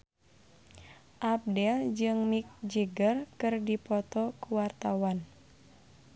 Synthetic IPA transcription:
ʔap̚dɛld͡ʒɨŋmik̚d͡ʒəɡərkɨrdipɔt̪ɔkuwart̪awan

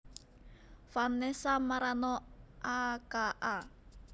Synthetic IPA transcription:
fanesamaɾanɔʔakaʔa

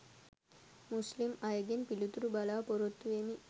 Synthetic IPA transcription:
muslimɐjɐɡenpilut̪uɾubɐlaːpoɾot̪ːuʋeːni

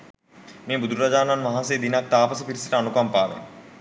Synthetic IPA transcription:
meːbud̪uɾuɾad͡ʒaːnanmaɦaseːd̪inak̚t̪aːpɐsəpiɾisəʈəanukampaːʋḛn

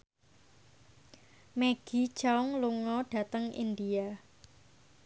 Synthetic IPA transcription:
meɡ̥i̤t͡ʃaʊŋluŋɔɖ̥ä̤t̪əŋḭnd̪ia

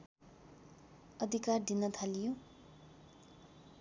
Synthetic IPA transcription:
ʌd̪ʱikard̪inʌt̪ʰalijo

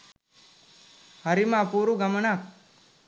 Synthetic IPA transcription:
hɐɾimapuɾuɡɐməɳak̚

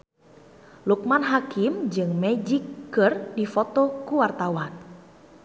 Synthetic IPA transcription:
luk̚manɦakimd͡ʒɨŋmɛd͡ʒikːɨrdifot̪ɔkuwart̪awan

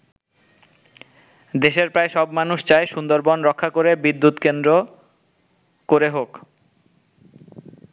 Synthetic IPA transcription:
d̪eʃeɾpɾaeʃɔbmanuʃt͡ɕaeʃund̪oɾbɔnɾɔkʰːakoɾebid̪ːut̪kend̪ɾo | koɾeɦok

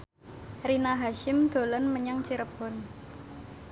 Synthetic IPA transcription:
rinaɦaʃɪmd̪̥o̤lənməɲaŋt͡ʃiɾəb̥ɔ̤n

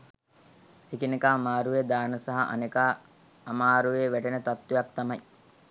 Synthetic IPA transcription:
ekinekaːmaːɾujed̪aːnəsaɦaʔa̰nekaː | maːɾueʋæʈenət̪at̪ːwejap̚t̪amɐj

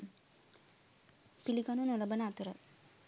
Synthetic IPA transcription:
pilikanunolɐbɐnaːt̪uɾɐ

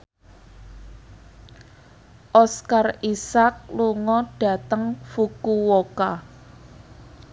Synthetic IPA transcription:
ʔɔskarisak̚luŋɔɖ̥a̤t̪əŋfukuwoka

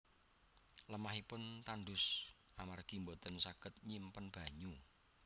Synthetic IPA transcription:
ləmaɦipʊnt̪anɖʊs | ʔamarɡ̥imbot̪ənsaɡ̥ət̪̚ɲimpənb̥a̤ɲu

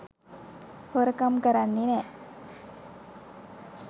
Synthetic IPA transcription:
hoɾəkamkɐɾanːinɛ

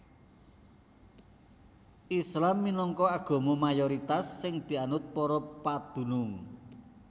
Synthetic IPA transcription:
ʔislamːinɔŋkɔaɡ̥ɔ̤momajɔɾit̪asːɪŋd̪̥i̤anʊt̪̚pɔɾɔpad̪̥ṳnʊŋ

